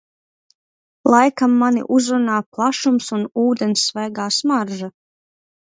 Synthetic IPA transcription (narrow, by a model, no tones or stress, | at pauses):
lˠajkamːanḭʔuzɾunaːplˠaʃumsunuːd̪ensːvɛjɡaːsmaɾʒa